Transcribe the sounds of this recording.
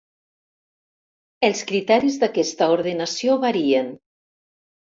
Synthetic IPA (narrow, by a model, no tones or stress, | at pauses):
elˠskɾit̪ɛɾizðakɛst̪əoɾð̞enasioβaɾien